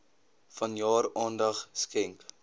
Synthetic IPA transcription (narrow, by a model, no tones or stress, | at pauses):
fɐnjɑːɾɑːndɐχskɛŋk